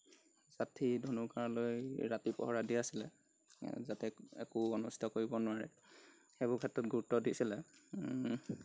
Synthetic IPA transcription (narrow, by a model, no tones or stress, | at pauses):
zatʰidʱonukaɹlojɹatipɔ̰ɦɔɹadiasilɛ | zatɛɛ̰kuonusi̥tʰɔkoɹibɔnʊwaɹɛ̰ | xebʊkʰɛtːɔt̚ɡʱuɹutːɔdisilɛ